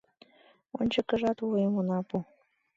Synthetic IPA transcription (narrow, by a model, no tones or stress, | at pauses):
o̰nʲt͡ɕə̆kə̆ʒɑt̪uemunɑpu